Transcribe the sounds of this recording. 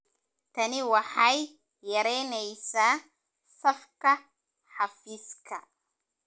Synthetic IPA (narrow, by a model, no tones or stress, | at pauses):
t̪ʰɐnɪwaħajː | ɐɾɛːnɛjsaː | sɐfkɐ | ħafiskʰɐ